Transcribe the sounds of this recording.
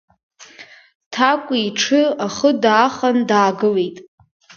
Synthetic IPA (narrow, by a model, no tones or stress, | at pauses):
tʰakʷʼiiʈ͡ʂʰɨaχədaːχandaːɡɨle̞jtʼ